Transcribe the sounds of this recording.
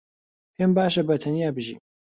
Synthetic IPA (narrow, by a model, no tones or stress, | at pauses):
hembaːʃɐbɐt̪ʰɐnijaːbɨʒḭːm